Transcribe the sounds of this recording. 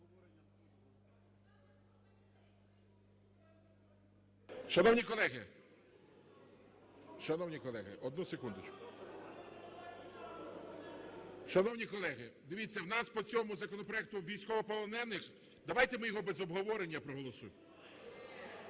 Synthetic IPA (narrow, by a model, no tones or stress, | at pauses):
ʃɐnɔwnʲikɔlˠɛɦɪ̰ | ʃɐnɔwnʲikɔlˠɛɦɪ̰ʔɔd̪nusekund̪ɪt͡ʃkʊ̥ | ʃɐnɔwnʲikɔlˠɛɦɪd̪ɪʋʲit͡sʲːɐwnɑspɔt͡sʲɔmʊzɐkɔnɔpɾɔjɛk̚t̪ʊʋʲijsʲkɔʋɔpɔlˠɔnɛnːɪx | d̪ɐʋɑjt̪emɪjɔɦɔbɛzɔbɦɔʋɔɾenʲːɐpɾɔɦɔlˠɔsṵjm